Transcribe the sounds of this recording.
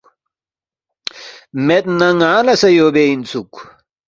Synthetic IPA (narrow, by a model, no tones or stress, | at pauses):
met̪nɐŋaːlɐsɐjoːbeinsuk